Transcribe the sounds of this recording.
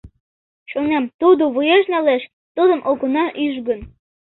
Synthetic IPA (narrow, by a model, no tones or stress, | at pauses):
ʃonemt̪ud̪oβujeʒnɑleʃ | t̪ud̪ɤ̆mʔokonɑʔyʒɡə̆n